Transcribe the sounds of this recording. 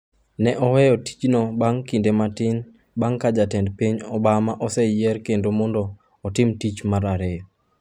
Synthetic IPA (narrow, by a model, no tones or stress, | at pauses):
nɛʔɔwɛjɔti̥t͡ʃnɔbaŋkindematɪn | baŋkad͡ʒatɛndpiɲɔbamaʔɔsɛjɛrkendomɔndɔː | tɪmtit͡ʃmaɾaɾe